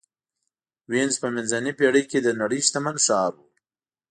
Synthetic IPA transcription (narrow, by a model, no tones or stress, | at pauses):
wenzpəmɪnzanepeɽəjked̪ənaɽəjst̪amanʃɑːɾwu